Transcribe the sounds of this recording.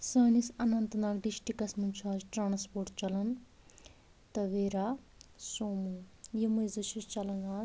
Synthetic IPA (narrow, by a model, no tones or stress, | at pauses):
sɐːnisɐnɐnt̪ɐnaːɾɖiʃʈikɐsmɐnt͡ʃʰaːzʈɾaːnspoːɾʈt͡ʃɐlɐn | t̪ɐʋeːɾaː | soːmunjimujzɨt͡ʃʰist͡ʃɐlɐnaː